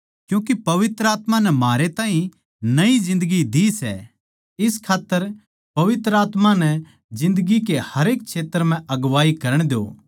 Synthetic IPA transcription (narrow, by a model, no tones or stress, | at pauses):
kjũːkipɐʋɪt̪ɾəaːt̪manɛmɦaːɾet̪ãːɦĩ | nɐizɪ̃nd̪əɡid̪isɛ̰ | ɪskʰaːt̪ːəɾ | pɐʋɪt̪ɾəaːt̪manɛ | d͡ʒɪ̃nd̪əɡik̬ehɐɾeːk̚t͡ʃʰeːt̪ːəɾm̤ɛ̃ʔɐɡʋaːikɐɾəɽ̃d̪eo̰ː